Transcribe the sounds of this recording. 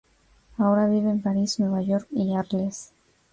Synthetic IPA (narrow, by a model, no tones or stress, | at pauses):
ao̞ɾaβiβeːmpaɾisnwe̞βaʝo̞ɾkiaɾles